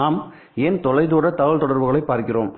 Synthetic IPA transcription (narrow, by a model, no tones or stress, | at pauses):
aːm | eːnt̪ɔlɐɪðuːɽɐt̪ɐɣɐɭt̪ɔɽɐɾʋɯɣɐɭɐɪpːaːɾkɪroːm